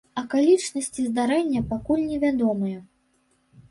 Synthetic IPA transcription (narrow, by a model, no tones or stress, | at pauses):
ɐkalʲit͡ʂnɐsʲt͡sʲizd̪aɾɛnʲːɐpakulʲnʲɛvʲad̪ɔmɨjɐ